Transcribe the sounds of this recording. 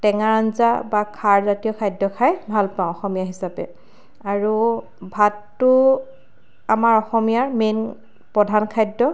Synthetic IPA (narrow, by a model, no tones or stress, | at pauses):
tɛŋaɹanzabakʰaɹzatijɔkʰajdɔkʰajbʱalpãwʊ̃ɔxɔmijaɦisapɛ̰ | aɹu | bʱatːʊ | amaɹɔxɔmijaɹmen | pɹɔdʱankʰajdːɔ